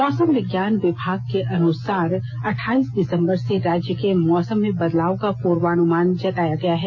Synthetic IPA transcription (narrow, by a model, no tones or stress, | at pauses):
mɔːsəmʋɪɡjaːnʋɪbʱaːɡ̚keʔɐnʊsaːɾ | ɐʈʰaːiːsd̪ɪsə̃mbəɾseɾaːd͡ʒjəkemɔːsəmːẽbɐd̪laːokapuːɾʋaːnʊmaːnd͡ʒɐt̪aːjaɡɐjaɦɛː